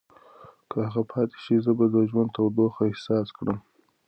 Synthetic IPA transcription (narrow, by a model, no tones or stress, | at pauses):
kʰəhaɣapʰɑt̪e̥ʃizəbad̪əʒwand̪t̪awd̪oxaɪhsɑskɽəm